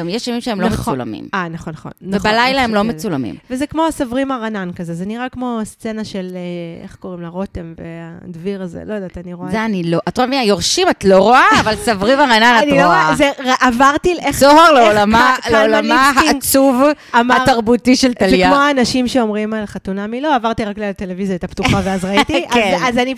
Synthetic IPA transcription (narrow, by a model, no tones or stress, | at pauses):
amjeʃavimʃeemlomet͡sula̰mḭmanaχonːχo̞̰nːavebalajlaemlomet͡sulamḭmvezekmo̞asavʁimaʁanankazezeniʁakmo̞st͡se̞naʃelḛχko̞ʁimlaʁo̞temvḛadviʁazḛlojed̪aːtaniʁoazeanilo̞ʔatʁoaviajoʁʃimatloʁoaːvalsavʁimaʁanananoazeʁaʔavaʁt̪ieχsoaʁleolamaleolamaɦaat͡suv | amaaʁtaʁbutiʃelt̪alzejamoaːnaʃimʃeo̞mʁimalχatunamilo̞avaʁt̪iʁaklialt̪e̞levizjait̪aptuχaveazʁait̪ikazazani